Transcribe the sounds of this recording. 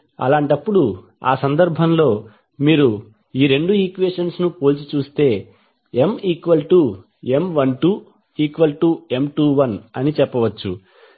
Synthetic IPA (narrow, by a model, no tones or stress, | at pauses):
ɐ̰laːɳʈɐpːuɽu | a̰ːsɐnd̪ɐɾbʱɐmlo̞ː | miːɾu | iːɾe̞ɳɖuiːkʋeːʂɐnsnupoːlt͡ʃit͡ʃuːst̪e̞ː | emiːkʋɐlʈu | e̞mʋɐnʈuː | iːkʋɐlʈuːe̞mʈuːʋɐnɐnit͡ʃɛpːɐʋɐt͡ʃːṵ